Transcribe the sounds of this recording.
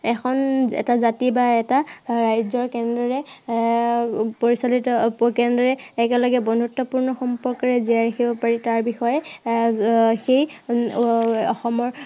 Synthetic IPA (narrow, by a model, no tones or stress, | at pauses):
ɛxʰɔnɛ̰tazatibaɛtaɹajzɔɹkɛndɔɹɛ | poɹisalitɔkɛndɔɹɛːkɛlɔɡɛbɔnʱutːɔpuɹnɔxɔmpɔɹkɔɹɛziaɹexʰibɔpaɹitaɹbixɔjɛ | xej | ɔxɔmɔɹ